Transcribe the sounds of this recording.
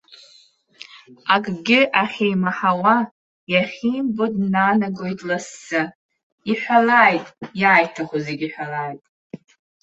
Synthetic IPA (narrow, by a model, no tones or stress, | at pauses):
akʼɡʲɪʔaχʲejmaħawa | jaχʲiːmbodnanaɡojtʼlasːɨ | iħʷᶣalaːjtʼjaːjtʰaχʷozeɡʲiħʷᶣalaːjtʼ